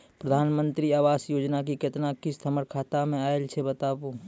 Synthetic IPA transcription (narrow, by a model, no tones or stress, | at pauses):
pɾəd̪ʱaːnmə̃nt̪ɾiaːʋaːsjoːd͡ʒnak̬iket̪nakɪst̪ʰəməɾkʰaːt̪amẽaːelt͡ʃʰebət̪aːpoː